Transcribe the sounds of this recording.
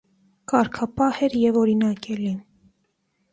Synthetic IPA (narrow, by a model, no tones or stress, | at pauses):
kɑɾkʰɑpɑhɛɾjɛvɔɾinɑkɛli